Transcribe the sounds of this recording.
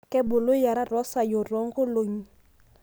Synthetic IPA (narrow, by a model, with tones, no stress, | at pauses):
kɛ˦bʊ˨lo˦ja˨ɾa˦rɔ˦sa˨jo˨rɔ˦ŋ̩˦kʊ˦lo˨ɲ̩˦